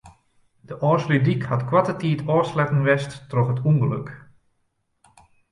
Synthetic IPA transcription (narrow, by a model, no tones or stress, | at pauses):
d̥əʔɔːslydikhatkwatətiːtʰɔːslɛtənʋɛsttrɔxɦətuŋɡəlɵk